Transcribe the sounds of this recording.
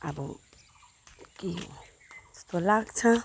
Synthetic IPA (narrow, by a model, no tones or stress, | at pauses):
a̰bṵ | kiɦo̰̥ | t̪olaɡt͡ʃʰã